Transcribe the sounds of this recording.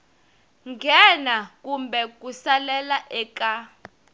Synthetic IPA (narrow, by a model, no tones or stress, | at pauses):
ŋɡʱɛnak̬ʼumbɛk̬ʼusalɛlaʔɛka